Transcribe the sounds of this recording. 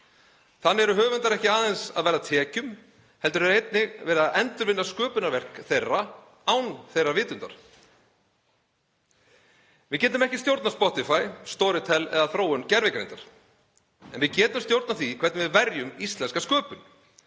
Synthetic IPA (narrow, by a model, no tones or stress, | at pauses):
θanːɛɾʏɦœːvʏnt̪aɾɛhcɪaːðejnsaðvɛːɾðat̪ʰɛːcʏm | hɛlt̪ʏɾeɾejt̪̚nɪɣvɛːɾaðɛnt̪ʏɾvɪnːaskœːpʏnaɾvɛr̥kθejrːa | awnθejrːavɪːt̪ʏnt̪a̰ɾ̥ | vɪðcɛːt̪ʏmɛhcɪst̪jowɾt̪naspɔht̪ɪfajst̪ɔːɾɪt̪ʰɛlːɛ̰ðaθɾoːwʏncɛɾvɪkɾḛnt̪aɾ̥ | ɛ̰nvɪðcɛːt̪ʏmst̪jowɾt̪naθikʰvɛɾt̪vɪðvɛɾjʏmist̪lɛnskaskœːpʏn